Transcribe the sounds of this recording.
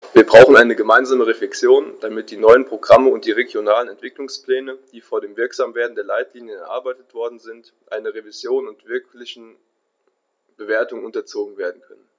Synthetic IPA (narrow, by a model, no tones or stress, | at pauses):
viːɐbʁaʊxn̩ʔaɪnəɡəmaɪnzaːməʁeflɛksjoːnd̥amɪt̚d̥iːnɔʏənpʁ̥oɡʁaməʊnt̚d̥iːʁeɡjonaːlənɛntv̥ɪklʊŋspl̥ɛːnəd̥iːfoːɐdeːmvɪɐkz̥aːmveːɐdn̩deːɐlaɪtliːnjənɛɐʔaɐbaɪtətv̥ɔɐdn̩zɪnt | ʔaɪnɐʁevizjoːnʊntv̥ɪɐklɪçn̩ | b̥əveːɐtʊŋʊntɐt͡soːɡŋ̩veːɐdn̩kʰœnən